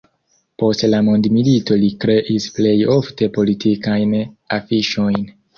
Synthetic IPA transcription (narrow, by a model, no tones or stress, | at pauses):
po̞stlamondmilito̞likɾe̞ʔisple̞jo̞fte̞po̞litʰikajnafiʃo̞jn